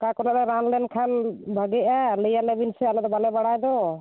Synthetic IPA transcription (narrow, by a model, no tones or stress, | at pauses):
kakɔlalɛɾanlɛnkʰanbʱaɡɛalejalɛbinsɛalɔd̪ɔbalɛbaɽajd̪ɔ